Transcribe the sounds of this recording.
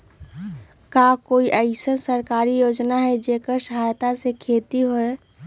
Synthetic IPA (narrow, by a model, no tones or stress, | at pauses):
kakoːiʔəɪsənsəɾkaːɾijoːd͡ʒnaɦɛd͡ʒeːkəɾsəɦajt̪asekʰeːt̪iɦoe